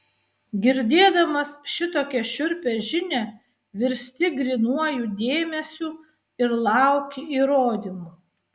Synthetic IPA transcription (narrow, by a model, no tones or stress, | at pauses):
ɡʲɪɾʲd̪ʲeːd̪ɐmɐsʃʲɪt̪oːkʲɛʃʲʊɾʲpʲeʒʲɪnʲɛ | ʋʲɪɾʲsʲt̪ʲɪɡɾʲinuɔjuːd̪ʲeːmʲɛsʲuː | ɪɾlˠɑˑʊkʲɪiːɾoːd̪ʲimu